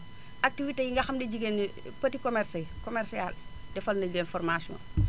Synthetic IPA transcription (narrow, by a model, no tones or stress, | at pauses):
ʔak̚tivitejiŋɡɐxɐmdɛɟiɡeni | pɐtikɔmɛrsɛkɔmɛrsialdɛfɐlnɐlenfɔrmasiɔ̰n